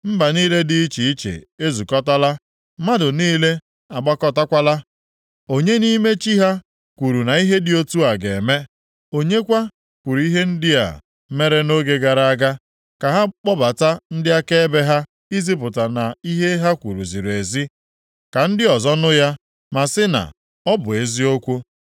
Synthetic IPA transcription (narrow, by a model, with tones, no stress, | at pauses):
m̩˦ba˨niː˦le˦dɪ˦i˦t͡ʃi˨i˦t͡ʃḛ˨e˦zu˨kɔ˦ta˦la˦ | ma˦dʊ˨niː˦le˦ | a˨ɡ͡ba˦kɔ˦ta˦kʷa˦la˦ | o˦ɲe˦ni˦me˦t͡ʃi˦ɦa˦ | kʷu˨ɾu˨na˨i˦ɦe˦dɪ˨˦o˦tu˦a˨ɡe˨me˦ | o˦ɲe˦kʷa˦ | kʷu˨ɾu˨˦i˦ɦe˦n̩˦dɪ˦a̰˨ | me˦ɾe˦no˦ɡe˦ɡa˨ɾa˨a˦ɡa˦ | ka˨ɦa˦k͡pɔ˦ba˨ta˦n̩˦dɪ˦a˦ke˦e˦be˦ɦa˦ | i˦zi˦p̬ʊ˨ta˨na˨i˦ɦe˦ɦa˦kʷṵ˨ɾṵ˨zi˨ɾu˨e˨zi˦ | ka˨n̩˦dɪ˦ɔ˨zɔ˦nʊ˦ja˦ | ma˨sɪ˦na̰˨ | ɔ˦bʊ˨e˨zi˦o˦kʷu˦